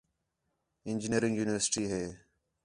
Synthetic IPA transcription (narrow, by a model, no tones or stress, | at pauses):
ɪnd͡ʒɪniəɾɪ̃ŋɡjuːnɪʋəɾsʈiːɦeː